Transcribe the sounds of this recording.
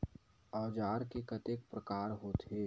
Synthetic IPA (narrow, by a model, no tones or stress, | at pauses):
ɔːd͡ʒaːɾkekɐt̪eːk̚pɾəkaːɾɦoːt̪ɦeː